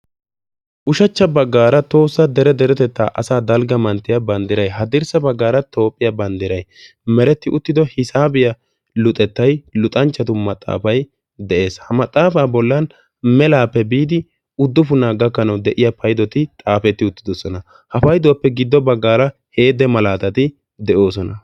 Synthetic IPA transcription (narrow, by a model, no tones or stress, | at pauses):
ʔʊʃɐt͡ʃːɐbɐɡːaːɾɐt̪o̞ːsːɐd̪ɛɾɛd̪ɛɾɛt̪ɛt̪ːa̰ːʔɐsaːd̪ɐlɡɐmɐnt̪ːɪjɐbɐnd̪ɪɾɐjɦɐd̪ɪɾsɐbɐɡːaːɾɐt̪o̞ːpʼːɪjɐbɐnd̪ɪɾɐj | mɛɾɛt̪ːɪʔʊt̪ːɪd̪ɔhɪsaːbɪjɐ | lʊt̪ʼːɛt̪ːɐjlʊt̪ʼɐnt͡ʃːɐt̪ʊmɐt̪ʼːa̰ːfɐj | d̪ɛʔe̞ːshɐmɐt̪ʼːaːfaːbɔlːɐn | mɛlaːpːɛbiːd̪ɪ | ʊd̪ːʊfʊnaːɡɐkːɐnɐwd̪ɛʔɪjɐpɐjd̪ɔt̪ɪt̪ʼaːfɛt̪ːɪʊt̪ːɪd̪ɔsɔnɐ | hɐfɐjd̪ʊwɐpːɛɡɪd̪ːɔbɐɡːaːɾɐ | he̞ːd̪ɛmɐlaːt̪ɐt̪ɪ | d̪ɛʔo̞ːsɔnɐ